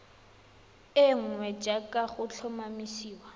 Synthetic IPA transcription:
ɪŋ̩wɛd͡ʒʼakʼaχʊt͡ɬʰɔmamisiːwa

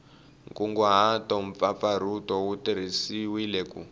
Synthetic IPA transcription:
ŋkuŋɡɔɦatɔɱp̪fap̪faɾ̤utɔwutiɾ̤isiwilɛkṵ

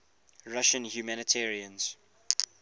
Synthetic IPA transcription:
ɹaʃə̃nhjumænətʰɛːɹiə̃nz̥

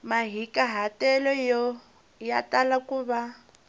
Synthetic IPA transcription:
maɦikaɦatɛlɔjɔ | jatalakuβa

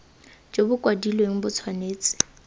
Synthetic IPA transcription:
d͡ʒobʊkʼwadilweŋ̩bʊt͡sʰwaneːt͡sʼɪ̥

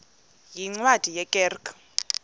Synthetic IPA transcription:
jiŋ͡ǀwad̥ʱijɛkʼɛrkʰ

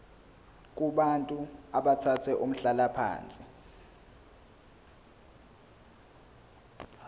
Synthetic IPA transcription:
k̬ʼuɓantʼuaɓatʰat͡sʰɛʔum̩ɬalapʰa̰ːnt͡sʼi

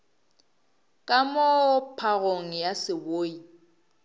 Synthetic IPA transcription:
kʼamopʰaɣoŋ̩jasɪboːi

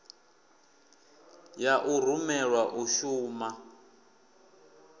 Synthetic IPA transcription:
jaʔur̤umɛɺwaʔuʃuːma

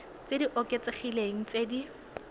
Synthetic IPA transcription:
t͡sediʔoket͡seχileŋ̩t͡sedi

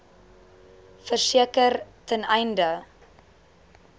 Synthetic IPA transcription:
fərsiəkərtʰənɛjndə

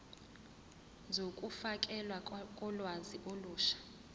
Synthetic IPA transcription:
d͡zʱokʼufakʼɛlwakʼɔlwaziʔoluːʃḁ

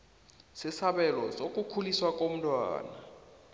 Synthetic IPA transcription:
sɪsaɓɛlɔsokʼukʰuliswakʼom̩tʼwa̰ːna

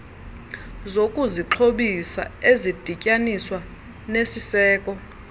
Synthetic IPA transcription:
zokʼuziǁʰoɓisa̰ezid̥ʱicʼaniswa | nesisɛːkʼɔ

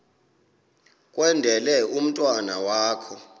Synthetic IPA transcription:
kʼwɛndʱɛlɛum̩tʼwana̰waːkʰɔ

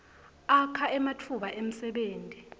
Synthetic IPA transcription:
akʰaʔɛmatʰuɓaʔem̩sɛɓeːntʼi

